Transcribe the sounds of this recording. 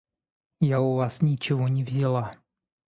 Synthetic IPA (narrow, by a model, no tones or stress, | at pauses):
jaʊvasnʲɪt͡ɕɪvonʲɪvzʲɪlˠa